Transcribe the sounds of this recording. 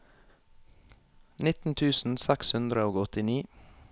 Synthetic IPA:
nɪt̪n̩t̪ʰʉːsn̩sɛkshʉnd̪ɾəoːɡɔt̪ɪniː

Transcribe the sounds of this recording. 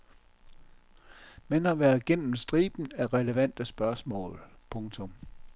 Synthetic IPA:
menɑ̈ʋæːɐðˠɡ̥en̰m̩sd̥ʁiːb̥n̩æʁɛləʋæn̰d̥əsb̥ɶɐsmɔ̰̽ːlpʰɔ̽ŋt͡sʰɔ̽m

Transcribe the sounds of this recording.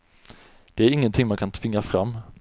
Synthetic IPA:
d̪̥ɛæɾɪŋːənt̪ʰɪŋːmankʰant̪ʰv̥ɪŋːafɾamː

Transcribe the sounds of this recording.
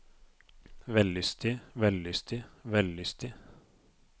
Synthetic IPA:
ʋɛlːʏst̪ɪʋɛlːʏst̪ʰɪʋɛlːʏst̪ɪ

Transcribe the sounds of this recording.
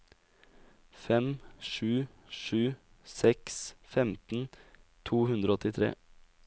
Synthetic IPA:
fɛmʃʉː | ʃʉː | sɛksfɛmt̪n̩ | t̪ʰuːhʉnd̪ɾoɔɔt̪ɪt̪ʰɾḛː

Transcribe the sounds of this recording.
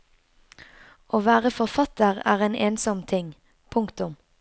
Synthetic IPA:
ʔoːʋæːʁəfɔʁfɑt̪əʁæ̰ːʁeːnʔeːnsɔmt̪ʰɪŋ | pʰʊŋkt̪ʊm

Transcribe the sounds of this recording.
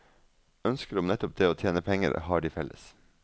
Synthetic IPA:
œnskəɾʊmnɛt̪ʊp̚d̪eːoːt̪ʰjeːnəpʰɛŋə̰ɾhɑːɖiːfɛlʔə̰s

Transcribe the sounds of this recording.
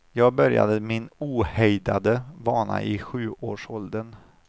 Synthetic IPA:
jɑːɡ̚bœɾja̰d̪əmɪnuːhɛjd̪ad̪əvɑːɳa̰ʔɪɧʉ̟ːʔoːʂɔld̪ən

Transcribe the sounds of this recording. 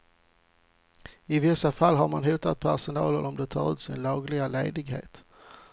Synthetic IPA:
ɪvɪsːafalːɦaɾmanɦuːt̪at̪̚pʰæʂʊnɑːləɾɔmd̪ɛt̪ʰɑːɾʉ̟ːt̪sɪnlɑːɡlɪɡalḛːd̪ɪɡhḛːt̪

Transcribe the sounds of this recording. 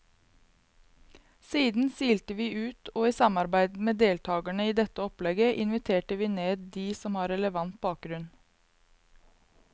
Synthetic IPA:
siːd̪n̩siːlt̪əʋiːʔʉːt̪ʰoːiːsɑmɑɾbæɪd̪meːd̪eːlt̪ʰɑːɡæɳəiːd̪ɛt̪əɔplɛɡəʔɪnʋɪt̪ʰeːʈəʋiːneːd̪̚d̪iːsɔmhɑːɾɛləʋɑnt̪̚bɑːk̚ɡɾʉn

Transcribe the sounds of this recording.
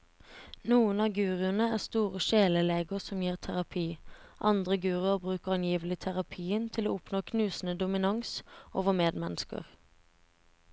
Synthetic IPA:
nuːənɑːɡʉːʁɪənəæːʁst̪uːʁəʃeːləleːɡəʁsɔmjiːʁt̪ʰæʁɑpʰiːʔɑnd̪ʁəɡʉːʁɪəʁbʁʉːkəʁɑnjiːʋəlɪt̪ʰæʁɑpʰiːənt̪ʰɪlo̰ːʊpnoːkʰnʉːsn̩əd̪ʊmɪnɑŋsʔoːʋəmeːd̪mɛnskə̰ʁ

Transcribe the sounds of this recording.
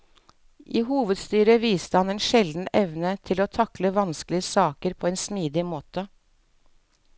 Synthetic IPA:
ʔiːhuːʋəd̪st̪yːɾəʋiːst̪əhɑneːnʃɛld̪n̩ɛʋnət̪ʰɪloːt̪ʰɑkləʋɑnsklɪəsɑːkəɾpʰoːeːnsmiːd̪ɪmoːt̪ə

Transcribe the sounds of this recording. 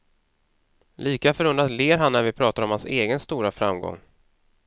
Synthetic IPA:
lʔiːkafœɾɵnd̪ɾat̪leːɾɦanːæɾvɪpʰɾɑːt̪aɾɔmhanseːɡənst̪uːɾafɾa̰mɡɔ̰ŋː

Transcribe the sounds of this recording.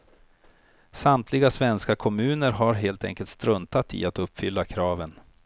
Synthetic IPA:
samt̪ʰlɪɡasvɛnskakʰɔmʉ̟ːnəɾɦaɾɦeːlt̪ʰɛ̰ŋkəlt̪st̪ɾɵnt̪at̪ʰɪ̰at̪ɵpːfʏlːakʰɾɑːvən

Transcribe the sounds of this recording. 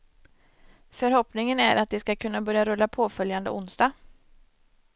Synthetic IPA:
fœɾhɔpnɪŋənæɾʔat̪̚d̪ɪskakʰɵnːabœɾjaɾɵlːapʰoːfœljand̪ə̰ʊnsd̪ɑː

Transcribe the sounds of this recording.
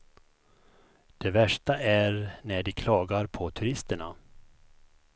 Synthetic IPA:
d̪̥ɛvæʂʈaʔæɾnæɖɪkʰlɑːɡaɾpʰɔt̪ʰɵɾɪst̪əɳa̰

